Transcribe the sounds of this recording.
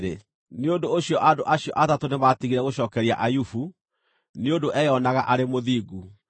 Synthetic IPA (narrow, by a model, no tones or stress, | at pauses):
ɾe | neondooɕijɔʔadoʔaɕiɔ̰ʔatatonematiɣiɾɛɣoɕɔːkɛɾia̰ʔajufu | neondoʔɛjɔnaɣaʔaɾemoðiːɡu